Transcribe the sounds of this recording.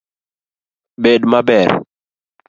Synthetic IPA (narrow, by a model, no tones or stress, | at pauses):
bedmabɛɾ